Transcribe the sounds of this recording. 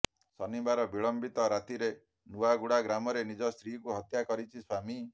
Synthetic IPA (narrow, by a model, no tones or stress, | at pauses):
sɔnibaɾɔbiɭɔmbit̪ɔɾat̪iɾe | nuaɡuɽaɡɾamɔɾenid͡ʒɔst̪ʰɾikuɦɔt̪jakɔɾit͡ʃʰiswami